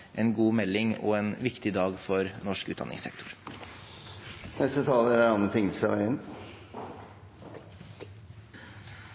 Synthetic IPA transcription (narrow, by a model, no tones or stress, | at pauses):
ʔɛnɡuːmɛlːɪŋɔ̰ɛnʋɪkt̪ɪd̪ɑːɡfɔɾnɔʂkʉːt̪d̪ɑ̰nːɪ̰ŋsɛ̰kt̪ʰʊ̥ɾ | nɛst̪ət̪ʰɑːləæɖɛnɑnət̪ʰɪŋsɑ̰ʋæ̰ɪən